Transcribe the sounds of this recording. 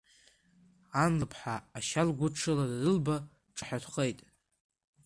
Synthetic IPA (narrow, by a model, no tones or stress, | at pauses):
anlɨpʰħaːʃalɡʷʊʈ͡ʂʰɨladadɨlba | ʈ͡ʂʼɨħatʰχe̞jtʼ